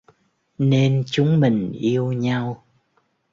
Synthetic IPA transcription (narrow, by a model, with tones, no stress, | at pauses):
ne˧nt͡ɕʊ˨˦ŋ͡mmï˨˩ŋ̟ʔi˧əwɲa˧w